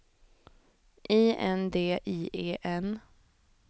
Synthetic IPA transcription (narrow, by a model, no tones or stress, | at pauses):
ʔiːɛ̰nd̪eːʔiːʔeːʔɛn